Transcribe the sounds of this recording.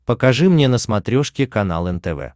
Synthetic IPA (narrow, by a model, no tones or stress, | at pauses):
pəkɐʐɨmnʲenəsmɐt̪ɾʲoʂkʲɪkɐna̰lˠɛnt̪ɛvɛ̰